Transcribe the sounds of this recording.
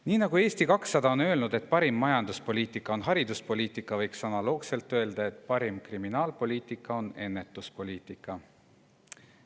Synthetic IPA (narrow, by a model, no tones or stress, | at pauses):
niːnɑɡue̞ːst̪ikɑksːɑd̪̥ɑo̞nø̞lnud̪̥e̞t̪̚ːˑpɑɾimːɑjɑnd̪̥uspo̞lʲiːt̪ˑikːˑɑonɦɑɾid̪uspo̞lʲiːt̪ˑikːˑɑvɤjksɑnɑlo̞ːɡse̞lt̪ːˑøeld̪̥ɑe̞t̪ˑpɑɾimkriminɑːlpo̞lʲiːt̪ˑikːˑɑo̞ne̞nːe̞t̪ːˑuspo̞lʲiːt̪ˑikːˑɑ